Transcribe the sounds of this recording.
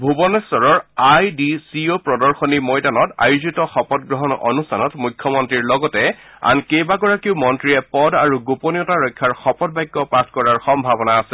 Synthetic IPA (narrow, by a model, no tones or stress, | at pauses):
bʱubɔnɛstɔɹɔɹajdisiopɹɔdɔɹxɔnimɔjdanɔta̰juzitɔxɔpɔtɡɹɔɦɔnɔ̰nustʰanɔtmujkʰːjɔmɔntɹiɹlɔɡɔtɛ | a̰nkejbaɡɔɹakiʊmɔntɹiɛpɔdaɹuɡuponijɔtaɹɔjkʰːaɹxɔpɔdbajɡːɔpɹatʰkɔɹaɹxɔmbʱabɔnaːsɛ